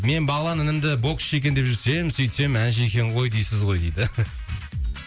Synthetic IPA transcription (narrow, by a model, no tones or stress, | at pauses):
me̞nbɑlˠɑnɪnɪmd̪ɪbo̞kse̞kʲe̞nd̪e̞p̚ʒʏɾse̞j̪ɪmsɵjt̪se̞mænʒɪekʲe̞ɴʁo̞jd̪ejsɪzʁo̞jd̪ejd̪ɪ